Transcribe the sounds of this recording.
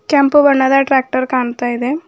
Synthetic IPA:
kʲaːmpɨʋɐɳːɐðaːʈɾaːk̚ʈɐrkaːɳɐt̪ːaːjiðe

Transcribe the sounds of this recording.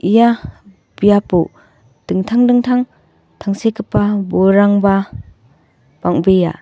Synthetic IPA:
ʔija | b̥ijapu | d̥ɯŋtʰaŋdɯŋtʰaŋ | tʰaŋsekɯpːabɔɾaŋba | b̥aŋbeja̰

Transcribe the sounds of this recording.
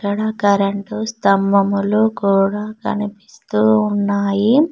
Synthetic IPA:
kːɐɽakɐɾɐɳʈust̪ɐmbʱɐmuluːkuːɽaːkɐ̰nipist̪uːunːaːji

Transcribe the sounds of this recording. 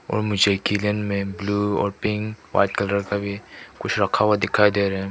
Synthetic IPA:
ɔ̰ːɾmʊd͡ʒʱekilənmẽbluːɔ̰ːɾpɪ̃ŋkʋa̰ːɪʈkɐləɾkabʱikʊt͡ʃʰɾɐkʰawad̪ɪkʰaːid̪eɾɦɛ̃

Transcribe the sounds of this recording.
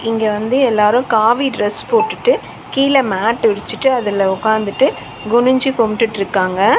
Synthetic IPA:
ɪŋɡeʋɐnd̪ɯɛlːaːɾʊ̃kaːʋiɖɾɛspoːʈːɯʈːɯ | kiːlɐmaːʈːʋɪɽɪt͡ʃːɯʈːɯɐðɪlɐʊkːaːnd̪ɯʈːɯ | ɡʊɳɯɲd͡ʒikɔmʈːɯʈːɪɾɯkːaːŋɡɐ

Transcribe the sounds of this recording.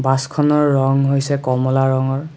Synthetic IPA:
baskʰɔnɔɹːɔŋɦojsɛkɔmɔlaɹɔŋɔɹ

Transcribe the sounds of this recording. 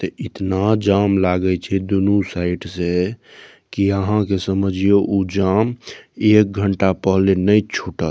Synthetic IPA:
t̪əʔit̪nad͡ʒamlaɡət͡ʃʰɛd̪unusaɪʈse | kiəɦãkesəməd͡ʒʱijoʔud͡ʒamek̚ɡʱəɳʈapəɦlenəjt͡ʃʰuʈət̪

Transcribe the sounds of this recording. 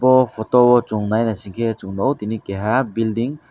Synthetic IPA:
bɔpʰɔtɔbɔt͡ʃuŋnajnasiŋkʰet͡ʃuŋnɔwt̪inikeɦabildiŋ

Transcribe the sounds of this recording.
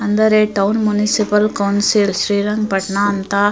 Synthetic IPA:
ɐnd̪ɐɾeːʈːɐwʊnmʊnɪsɪpɐlkɐʊnsɪlsɾiːɾɐŋpɐʈnaːnt̪aː

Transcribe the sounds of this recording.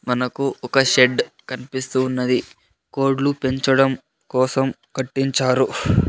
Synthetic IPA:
mɐnɐkuɔkɐʃe̞ɖ | kɐnipist̪uːnːɐd̪i | ko̞ːɾɖlupe̞ɲt͡ʃɐɽɐm | kɔːsɐm | kɐʈːiɲt͡ʃaːɾu

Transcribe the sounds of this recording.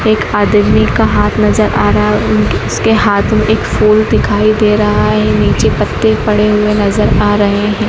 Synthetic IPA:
eːkaːd̪mikaɦaːt̪ʰnɐzəɾʔaːɾɐɦaʊskeɦaːt̪ʰmẽʔeːkfuːld̪ɪkʰaːid̪eːɾɐɦaɦɛniːt͡ʃepɐt̪ːepɐɽeɦʊenɐzəɾaːɾɐɦeɦɛ̃ː

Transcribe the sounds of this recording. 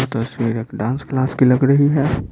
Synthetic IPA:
t̪əsʋiɾekɖãːnsklaːskilɐɡɾəɦiɦɛ

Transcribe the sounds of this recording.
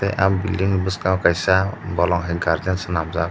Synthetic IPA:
teʔa̰mbiliŋbɯskawkajsabɔlɔŋɦɛɡaɾd̪ansɯnamza

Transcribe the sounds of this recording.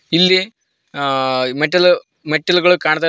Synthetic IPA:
ilːi | meʈːɐl | meʈːɐlɣɐɭɨkaːɳut̪̬ːa

